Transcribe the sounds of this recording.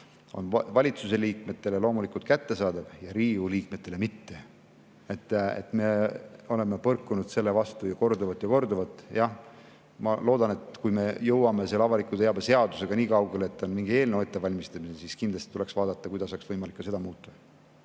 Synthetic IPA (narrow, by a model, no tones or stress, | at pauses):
o̞̰nvɑlʲit̪suse̞liːk̚me̞t̪ːˑe̞le̞lo̞ːmulikult̪kæt̪ːe̞sɑːd̪ɑb̥jɑɾiːuliːkme̞t̪ːˑe̞le̞mit̪ːe̞ | et̪ːḛt̪ːˑme̞o̞le̞mepɤrkːˑunud̪̥se̞lːe̞vɑst̪ujɑko̞rd̪uvɑt̪ːˑjɑko̞rd̪uvɑt̪ːˑjɑh | mɑlo̞ːd̪ɑne̞t̪kujme̞jɤwɑme̞selːeɑvɑlikut̪eɑbese̞ɑd̪use̞ɡ̥ɑniːkɑwɡe̞leet̪ːˑonmiŋɡ̥ie̞ːlnewet̪ːe̞vɑlʲmist̪ɑminesiskind̪lɑst̪it̪ule̞ksvɑːd̪ɑt̪ːˑɑkujd̪ɑsɑːksvɤjmɑlikːɑse̞d̪ɑmuːt̪ːˑɑ̥